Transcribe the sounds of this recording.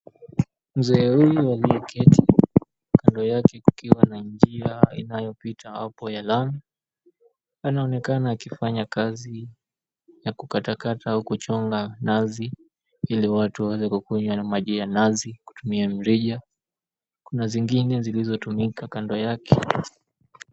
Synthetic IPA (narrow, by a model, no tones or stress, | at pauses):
m̩zɛːhujualiɛkʰɛtʰi | kandɔjakɛku̥kiwanaɲd͡ʒiaḭnajɔpitʰaha̰pɔjalami | anaɔnɛkanaːkifaɲakazi | jakukatakataaukut͡ʃɔŋɡanazi | iliwatuawɛzɛkukuɲwanamaʄijanaziku̥tumiam̩ɾiʄa | kunaziŋɡinɛzilizɔtumikakandɔjakʰɛ̥